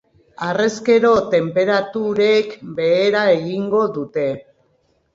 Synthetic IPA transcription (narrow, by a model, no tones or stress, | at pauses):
are̞ske̞ɾo̞t̪e̞mpe̞ɾat̪uɾekbe̞ːɾae̞ɣiŋɡo̞ðut̪e̞